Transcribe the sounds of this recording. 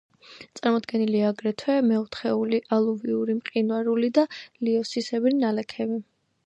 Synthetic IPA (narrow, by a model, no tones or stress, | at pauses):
t̪sʼaɾmɔd̪ɡɛniliaːɡɾɛt̪ʰwɛmɛɔt̪ʰχɛuliʔalˠuviuɾimqʼinwaɾulid̪aliɔsisɛbɾinalɛkʰɛvi